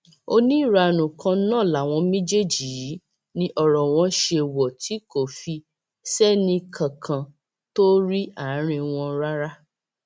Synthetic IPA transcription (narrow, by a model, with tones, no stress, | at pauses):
o˧nĩ˦i˦˨ɾa˧˨nũ˨kã˧˦nãː˦˨la˨w̃ɔ̃˧mẽ˦d͡ʒe˦˨d͡ʒi˨˦ | nĩ˦ʔɔ˨ɾɔ˨w̃ɔ̃˧˦ʃe˧wɔ˨tʰi˨˦ko˦˨fi˧ | sɛ˦nĩ˧kʰã˨kʰã˨ | to˦ɾi˦a˦˨˦ɾ̃ĩ˧w̃ɔ̃˧ɾa˦ɾa˦